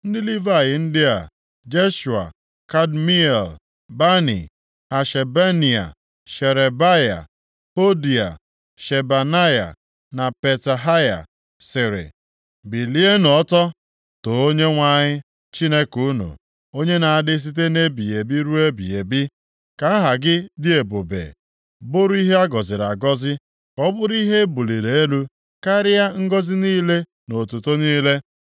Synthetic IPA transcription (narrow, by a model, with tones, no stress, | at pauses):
n̩˦dɪ˦li˦va˦˨jɪ˨n̩˦dɪ˦a̰˨ | d͡ʒe˦ʃu˨a̰˨ | ka˦dmi˦e˨l | ba˦nḭ˨ | a˨ʃe˨be˦ni˨a̰˨ | ʃe˨ɾe˨ba˦ja̰˨ | o˦di˨a̰˨ | ʃe˨ba˨na˦ja̰˨ | na˨pe˨ta˨ɦa˦ja̰˨ | sɪ˨ɾɪ̰˨ | bi˨li˦e˦n˨ɔ˦tɔ˦ | to˨o˦ɲe˦ŋʷa˦˨ɲɪ˦ | t͡ʃi˦ne˦ku˨˦nṵ˨ | o˦ɲe˦na˨a˨dɪ˦s̬i˦t̬e˦ne˦bi˨e˨bi˦ɾu˦e˦bi˨e˨bi˦ | ka˨˦a˦ɦa˨ɡɪ˦dɪ˦e˨bo˨bḛː˨ | bʊ˦ɾi˦ɦe˦a˦ɡɔ˨zɪ˨ɾa˨ɡɔ˦zɪ˦ | kɔ˦bʊ˦ɾi˦ɦe˦bu˨li˨ɾe˨e˦lu˦ | ka˦ɾɪ˦ja˦ŋ̩˦ɡɔ˦zɪ˦niː˦le˦ | no˨tu˨to˦niː˦le˦